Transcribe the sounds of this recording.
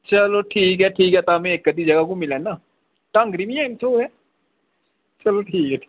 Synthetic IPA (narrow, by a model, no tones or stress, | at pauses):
t͡ʃɐloʈʰiːkɦɛʈʰiːkɦɛt̪amẽeːkːət̪̬id͡ʒɐɡak̬omɪlanaː | ʈɐ̃ŋɡɾimĩɛːmt̪ʰoːɛː | t͡ʃɐloʈʰiːkɦɛ